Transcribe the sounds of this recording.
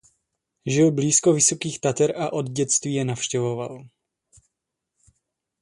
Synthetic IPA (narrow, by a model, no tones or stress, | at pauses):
ʒɪlbliːsko̞vɪso̞kiːxt̪at̪ɛɾaʔo̞d̪ɟɛt͡st̪viːjɛnafʃcɛvo̞val